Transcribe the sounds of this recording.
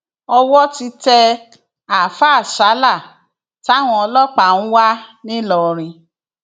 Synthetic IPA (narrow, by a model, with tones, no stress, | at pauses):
ɔ˧wɔ˦ti˧tɛ˧ | a˨fa˦˨ʃa˨˦la˦˨ | ti˦a˦˨w̃ɔ̃˧ɔ˧lɔ˦k͡pã˨ũ˦wa˦nĩ˦lɔ˨ɾ̃ĩ˧